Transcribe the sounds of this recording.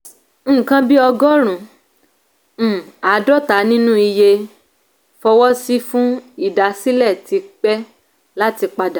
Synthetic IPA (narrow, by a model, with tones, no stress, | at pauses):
n̩ː˦˨kã˧bi˦ɔ˧ɡɔ˦ɾ̃ũ˨ | a˨˦dɔ˦ta˨˦nĩ˦nũ˦i˧je˧ | fɔ˧wɔ˦si˦fũ˦i˦˨da˨si˦lɛ˦˨ti˧˦k͡pɛ˦ | la˦ti˧k͡pa˧da˨